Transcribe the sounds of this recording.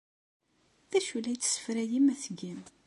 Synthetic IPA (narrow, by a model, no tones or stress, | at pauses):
ðæʃulæjt͡s̪ːsːə̥fɾæjimæθɡim